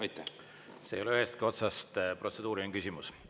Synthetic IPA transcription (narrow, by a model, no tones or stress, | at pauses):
ɑjt̪ːˑæ | se̞̰ːjoeyhest̪̚kio̞t̪sɑst̪pro̞t̪se̞d̪uːɾieŋkysʲimus